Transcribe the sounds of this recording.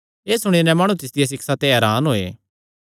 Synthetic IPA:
eːsʊɽ̃inɛ̃maːɽ̃ut̪ɪsd̪ɪjas̬ɪksat̪eɦɛːɾaːnɦoːḛː

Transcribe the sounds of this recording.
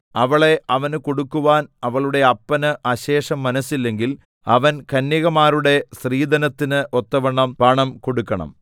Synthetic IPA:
ɐʋɐɭe̞ʔɐʋɐnko̞ɽukːuʋaːnɐʋɐɭuɽe̞ɐpːɐnɨʔɐɕe̞ːʂɐmːɐnɐsilːe̞ŋɡil | ɐ̰ʋɐnkɐnːiɣɐmaːruɽe̞sriːd̪ɐnɐt̪ːinɨʔo̞t̪ːɐʋɐɳːɐmpɐɳɐmko̞ɽukːɐɳɐ̰m

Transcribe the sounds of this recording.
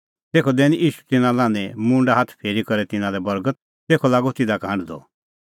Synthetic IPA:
t̪eːkʰɔd̪ɛːniʔiːʃu̥t̪ɪnãlãːnɛ̃mʊ̃ɳɖaɦat̪ʰpʰeːɾikɔɾɛt̪ɪnãlɛbɐɾɡət̪̚ | t̪eːkʰɔlaːɡɔt̪ɪd̪akʰãːɖd̪ɔ̰

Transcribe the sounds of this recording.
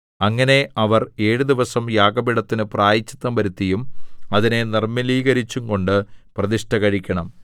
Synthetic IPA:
ɐŋːɐne̞ɐʋɐre̞ːɻud̪iʋɐsɐmjaːɡɐbiɽɐt̪ːinɨpraːjit͡ɕːi̥t̪ːɐmʋɐɾut̪ːijumɐðine̞nirmɐliːɣɐɾit͡ɕːuŋko̞ɳɖɨprɐðiʂʈɐɣɐɻikʲːɐɳɐm

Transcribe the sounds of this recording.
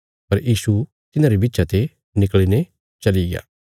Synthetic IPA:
pɐɾʔisu | t̪inaɾibit͡ʃat̪e | nikline | t͡ʃaliɡa̰

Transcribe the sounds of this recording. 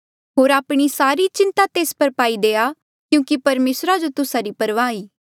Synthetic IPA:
ɦoːɾaːpɽ̃isaːɾit͡ʃɪ̃nt̪at̪eːspɐɾpaːid̪eːa | kjũːkipɐɾmeːsɾad͡ʒot̪ʊsaɾipɐɾʋaːiː

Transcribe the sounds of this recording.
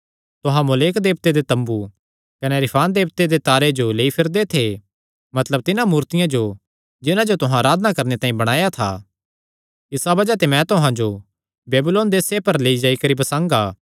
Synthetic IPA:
t̪ʊɦãmʊleːkd̪eːbt̪ed̪et̪ɐ̃mbu | kɐnɛɾɪpʰaːnd̪eːb̚t̪ed̪et̪aːɾed͡ʒoleːipʰɪɾd̪et̪ʰe | mɐt̪ləb̚t̪ɪnãmuːɾt̪ɪjãd͡ʒo | d͡ʒɪnãd͡ʒot̪ʊɦãɾaːd̪ʱnakɐɾnet̪ãːĩbɐɽ̃aːjat̪ʰa̰ː | ɪsabɐd͡ʒat̪emɛ̃t̪ʊɦãd͡ʒo | beːbʊloːnd̪eːsepɐɾleːid͡ʒaːikɐɾibɐsãːŋɡaː

